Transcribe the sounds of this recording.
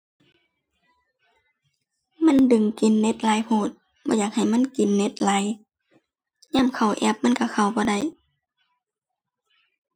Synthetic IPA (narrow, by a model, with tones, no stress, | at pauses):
ma˧˥˨ndɯ˨˩ŋki˨nːe˧˦t̪̚laː˨˦jpʰoː˧˩t̪̚ | bɔː˧˦jaː˨˩k̚ha˨˩jma˧˥˨nki˨nːe˧˥t̪̚la˨˦j | ɲaː˧˥˨mkʰa˨˩wʔɛ˧˥p̚ma˧˥˨nka˧˩kʰa˧˩wbɔː˧˦da˧˥˩j